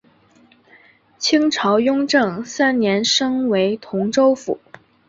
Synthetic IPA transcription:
t͡ɕʰi˥ŋʈ͡ʂʰɑ˧˥ʊjʊ˥ŋʈ͡ʂɤ˥˩ŋsa˥nnjɛ˧˥nʂɤ˥ŋwe˧˥ɪt̪ʰʊ˧˥ŋʈ͡ʂo˥ʊfṵ˨˩˦

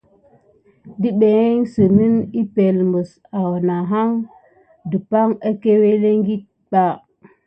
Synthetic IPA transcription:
di˦ɓe˨˦ŋsə˨mi˦ni˦pe˨lmbə˨s | a˨wna˨ɦa˦ŋ | də˨pa˦ŋa˦ke˦we˦le˦ŋɡi˦t̚ | ɓa˦

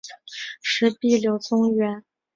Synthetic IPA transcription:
ʂɻ̩˧˥pi˥˩ljo˧˩ʊt͡sʊ˥ŋɥɛ˧˥n

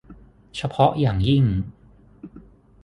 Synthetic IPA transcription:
t͡ɕʰa˧pʰɔ˦˥ʔjaː˨˩ŋji˥˩ŋ

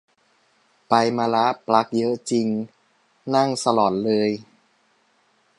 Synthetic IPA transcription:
pa˧jmaː˧la˦˥ʔpla˦˥k̚jɤ˦˥ʔt͡ɕi˧ŋ | na˥˩ŋsa˧lɔː˨˩t̪̚lɤː˧j

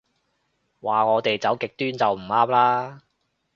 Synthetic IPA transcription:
waː˨ŋɔː˨˧t̪e˨jt͡sɐ˨˥wkɪ˨k̚t̪yː˥nt͡sɐ˨wm̩˨˩aː˥mlaː˥

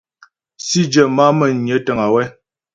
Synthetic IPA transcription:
si˦d͡ʒə˨ma˦mə˨ɲjə˨˦tə˨ŋa˨wɛ˦

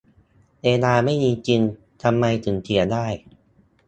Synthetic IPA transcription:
ʔeː˧naː˧ma˥˩jmiː˧t͡ɕi˧ŋ | t̪ʰa˧mːa˧jt̪ʰɯ˩˦ŋt̪ʰi˩˦ɐdaː˥˩j

